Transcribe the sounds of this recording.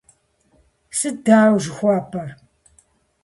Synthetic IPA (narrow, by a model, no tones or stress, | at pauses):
sɨdaːwʒɪxʷɑːpʰɐr